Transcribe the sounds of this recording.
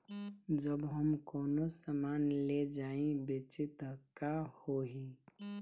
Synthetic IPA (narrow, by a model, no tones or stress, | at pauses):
d͡ʒəbɦəmkɔːnosamaːnled͡ʒaːĩbet͡ʃɪt̪ɦəkahoɦiː